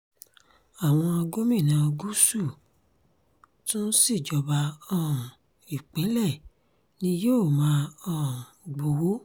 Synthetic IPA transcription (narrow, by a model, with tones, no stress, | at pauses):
a˨w̃ɔ̃˧a˧ɡo˦mĩ˦˨nã˨˧o˧ɡu˦su˦˨ | tũ˦n̩˦si˦˨d͡ʒɔ˨ba˧ɔ̃˦˨ | i˨k͡pɛ˨˦lɛ˦˨ | nĩ˧joː˦˨mãː˨˦ɔ̃˦˨o˨ɡ͡bo˧wo˦